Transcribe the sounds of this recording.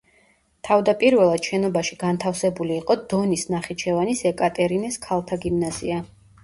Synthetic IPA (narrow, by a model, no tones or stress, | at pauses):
t̪ʰavd̪apʼiɾvɛlˠad̪̥ʃɛnɔbaʃiɡ̥ant̪ʰafsɛbuliːqʼɔd̪̥ɔnisnaχit͡ʃʰɛvanisɛkʼat̪ʼɛɾinɛskʰalˠt̪ʰaɡimnaz̥ia